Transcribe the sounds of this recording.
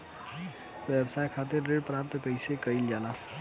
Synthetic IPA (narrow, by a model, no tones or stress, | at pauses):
wɛbsaːjkʰat̪eɾɾeɖpɾap̚t̪kəɪsekəild͡ʒala